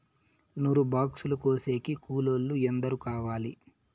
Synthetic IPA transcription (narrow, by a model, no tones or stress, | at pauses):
nuɾubaːksulukoːse̞ːkikuːlolːuend̪ɐɾukaːʋaːli